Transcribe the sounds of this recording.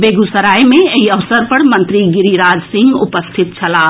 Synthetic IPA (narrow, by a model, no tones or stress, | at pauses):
beːɡusɐɾaːjmẽɐiɐʋsəɾpɐɽmɐ̃nt̪ɾiɡɪɾiɾaːd͡ʒsɪ̃ŋɡʊpəst̪ʰɪt̪t͡ʃʰɐlaː